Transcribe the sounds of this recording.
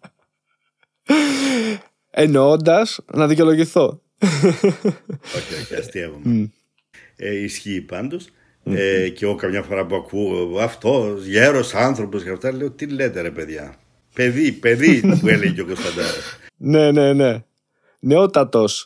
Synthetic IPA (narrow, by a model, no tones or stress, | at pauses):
enoond̪ɐsnɐðic̬eo̞lo̞ʝiθo̞ | oçioçɐ̰st̪ievom | eisçiːpɐnd̪os | eceokɐmɲɐfoɾɐpuɐkuɐft̪o̞sʝeɾosɐnθɾo̞posɣɐft̪ɐleot̪ilet̪eɾɐpeðʝɐ̰ | peðipeðiɐpueleʝeceo̞kost̪ɐnd̪ɐlosne̞ne̞ne̞ | neot̪ɐt̪o̞s